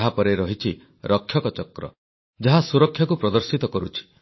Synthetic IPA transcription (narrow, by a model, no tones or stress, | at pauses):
ɦapɔɾeɾɔɦit͡ʃʰi | ɾʔɔkʰːjɔkɔt͡ʃɔkɾɔ̰ | d͡ʒaɦasuɾɔkʰjakupɾɔd̪ɔɾsit̪ɔkɔɾut͡ʃʰi̥